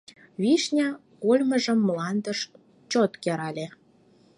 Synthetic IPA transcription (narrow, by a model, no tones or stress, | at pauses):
βiʃnʲɑkolʲməʒə̆mːlɑnd̪əʃ | t͡ɕot̪keɾɑlʲe